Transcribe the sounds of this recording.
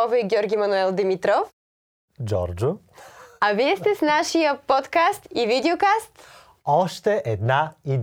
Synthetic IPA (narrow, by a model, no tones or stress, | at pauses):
ɔvɛiɡʲɔɾɡʲimɐnuɛlˠd̪imit̪ɾɔf | d͡ʒɔ̰ɾd͡ʒʊ | aviɛst̪ɛsnaʃijəpɔt̪kast̪ivid̪ɛokast̪ | ɔʃt̪ɛʔɛd̪naid̪